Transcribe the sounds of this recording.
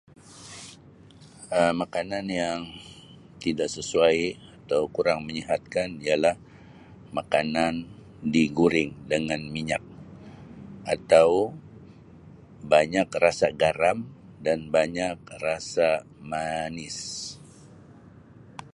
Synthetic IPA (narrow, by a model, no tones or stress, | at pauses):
əmakananjaŋ | t̪idaʔsəsuajat̪awkuɾaŋməɲiɦat̪̚kanialah | makanan | diɡuɾɪŋdəŋanmiɲak̚ | ʔat̪aw | baɲakrasaɡaɾamdanbaɲak̚rasa | manɪs